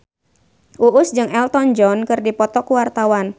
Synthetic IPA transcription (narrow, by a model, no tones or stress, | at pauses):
ʔuʔʊsd͡ʒɨŋɛlt̪ɔnd͡ʒɔnkɨrdipɔt̪ɔkuwart̪awan